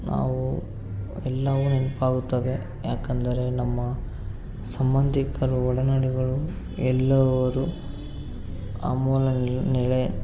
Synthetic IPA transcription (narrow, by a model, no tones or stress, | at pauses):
na̰ːʋu | ɛlːɐʋunimpaːɡut̪ːɐʋe̞ | jaːkɐnd̪ɐɾe̞nɐmːɐ | sɐmbɐnd̪ʱikʰɐɾuɔɭɐnaɽiɡɐɭu | ɛlːɐʋɐɾu | a̰mɔːlɐnɛɭe